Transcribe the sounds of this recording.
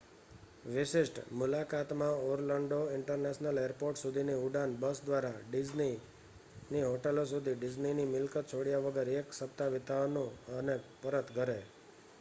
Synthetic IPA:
ʋɪʃɪʃʈmʊlakat̪mãoɾləɳɖoɪɳʈəɾneʃnəleəɾpoɾʈsud̪ʱiniuɖanbəsd̪ʋaɾaɖɪd͡ʒni | niɦoʈelos̬ud̪ʱiɖɪd͡ʒninimɪlkət̪̚t͡ʃʰoɽjaʋəɡəɾeksəp̚t̪aʋɪt̪anũənepəɾət̪ɡʱəɾe

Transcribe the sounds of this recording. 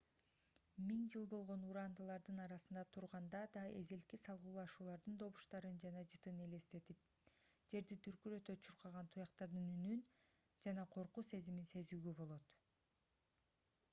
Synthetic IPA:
miŋd͡ʒɯlˠbo̞lˠʁo̞nuɾɑnd̪ɯlˠɑɾd̪ɯnɑɾɑsɯnd̪ɑt̪ʰuɾʁɑnd̪ɑd̪ɑe̞zelkisɑlˠʁuːlˠɑʃuːlˠɑɾd̪ɯnd̪o̞βuʃt̪ɑɾɯnd͡ʒɑnɑd͡ʒɯt̪ɯne̞le̞st̪e̞t̪ip̚ | d͡ʒe̞ɾd̪it̪ʰyɾkyɾøt̪øt͡ʃʰuɾqɑʁɑnt̪ʰujɑqt̪ɑɾd̪ɯnynyn | d͡ʒɑnɑqʰo̞ɾquːse̞ziminse̞zyːɡøbo̞lˠo̞t̪

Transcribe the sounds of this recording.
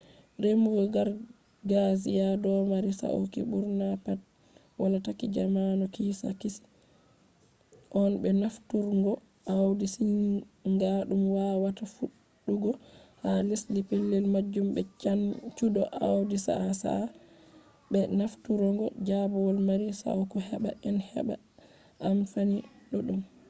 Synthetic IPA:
ɾemuɡɔɡaɾ | ɡazijadɔmaɾisa̰ʔo̰kḭbuɾnapat̚ | walatakid͡ʒamanɔkisa̰kisi̥ | ʔɔnbɛnaftuɾŋɡɔ | ʔawdisinŋɡaɗumwawatafuɗː | uɡɔhalislipelːɛlmad͡ʒːumbɛant͡ʃuɗɔʔawdisa̰sa̰ | bɛnaftuɾɔŋɡɔd͡ʒabɔlmaɾisa̰wkɔhɛɓa̰ʔɛnhɛ̰ɓa̰ | ʔamfaniɗɔɗum

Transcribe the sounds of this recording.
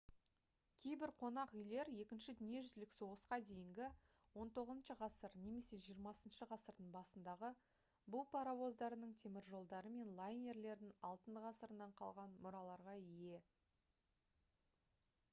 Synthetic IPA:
kʲʰe̞jbɪɾqʰo̞nɑqʏjle̞ɾje̞kʲɪnʃɪd̪ʏnije̞ʒʏzlɪkso̞ʁəsqɑd̪e̞jɪŋɡʲɪ | wo̞nt̪ʰo̞ʁəzənʃəʁɑsəɾne̞me̞se̞ʒijəɾmɑsənʃəʁɑsəɾd̪əɴbɑsənd̪ɑʁə | bʊlˠpʰɑɾɑwo̞zd̪ɑɾənəɴt̪ʰe̞mɪɾʒo̞lˠd̪ɑɾəme̞nlˠajnʲe̞ɾle̞ɾd̪ɪŋɑlˠt̪ənd̪ʁɑsəɾənɑɴqʰɑ̰lˠʁɑnmʊɾɑlˠɑɾʁɑije̞

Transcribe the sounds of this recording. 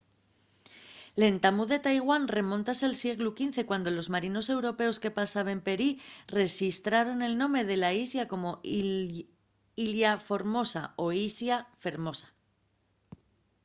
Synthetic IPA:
le̞nt̪amuðe̞t̪ajɣ̞wanre̞mõ̞nt̪asealsje̞ɣlukin̟θe̞kwand̪o̞lo̞zmaɾino̞se̞wɾo̞pe̞o̞ske̞pasaβempe̞ɾire̞xist̪ɾaɾo̞ne̞lnõ̞mɾe̞ð̞e̞laisjako̞mo̞ | iljafo̞ɾmo̞sa̰o̞isjafe̞ɾmo̞sḁ

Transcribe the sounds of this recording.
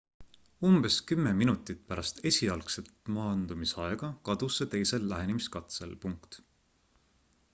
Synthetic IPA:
umb̥e̞skymːeminut̪ːˑit̪̚pæɾɑst̪e̞sʲiɑlkse̞t̪mɑːnd̪umisɑe̞ɡ̥ɑkɑd̪̥uset̪e̞jse̞lːæɦe̞nemiskɑt̪se̞̰lpuŋkt̪

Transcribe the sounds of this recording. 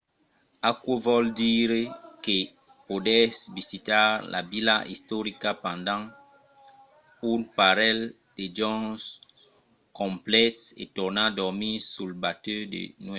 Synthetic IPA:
akwovɔldiɾeke | podɛsvisitaʁlʔa̰bilaʔḭst̪oʁikapãndãŋ | unpaʁɛl | ded͡ʒɔ̃s | kɔ̃mplɛtḛtɔʁnadɔʁmisulbatødḛnwɛ

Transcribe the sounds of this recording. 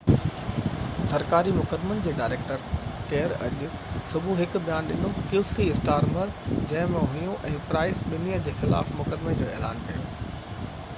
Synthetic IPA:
sɐɾkaːɾimʊkəd̪mənɪ̆d͡ʑeːɖaːɾeːk̚ʈəɾkeːəɾɐ̰ʄʊ | sʊbʱuɦɪkbijaːnɗɪnokjuːsiɪsʈaːɾməɾd͡ʑɐ̃ɦɪ̃mẽɦʊjũʔɛ̃ːpɾaːɪsɓɪnijəd͡ʑeːxɪla̰ːfmʊkəd̪med͡ʑoːɛːla̰ːnkɐjo̰ː

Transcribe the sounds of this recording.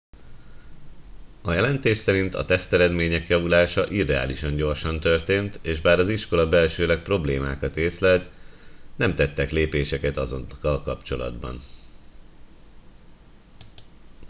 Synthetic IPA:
ɒjɛlɛnt̪eːʃsɛɾint̪ɒ̰t̪ɛst̪ɛɾɛd̪meːɲɛkjɒvulaːʃɒʔid̪ɛa̰ːliʃɒɲɟo̞rʃɒnt̪ørt̪eːnt̪eːʒbaːɾɒziʃko̞lɒbɛlʃøːlɛk̚pro̞bleːmaːkɒt̪eːslɛlt̪nɛmt̪ɛt̪ːɛkleːpeːʃɛkɛt̪ɒzo̰nkːɒlkɒpt͡ʃo̞lɒ̰d̪bɒ̰n

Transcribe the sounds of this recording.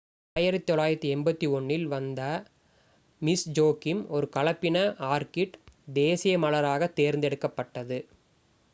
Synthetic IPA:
aːjɪɾɐt̪ːɪt̪ɔɭːaːjɪɾɐt̪ːɯɛmbɐt̪ːiɔɳːɪlʋɐnd̪ɐ | mɪsd͡ʒoːkɪmɔɾɯkɐɭɐpːɪnɐʔaːɾkɪʈd̪eːsɪjɐmɐɭɐɾaːɣɐt̪ːeːɾnd̪ɛɽɯkːɐpːɐʈːɐðɯ

